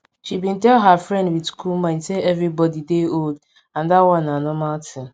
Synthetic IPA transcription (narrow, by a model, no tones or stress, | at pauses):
ʃibĩntɛlɦafɹɛ̃ndwidskʰulmãnseɛvɾibɔdideold | ãndatwɔ̃nːanɔmaltʰɪ̃